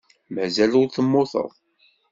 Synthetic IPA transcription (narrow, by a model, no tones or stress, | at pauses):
mæzælʊɾθəmːʊθə̰ðˤ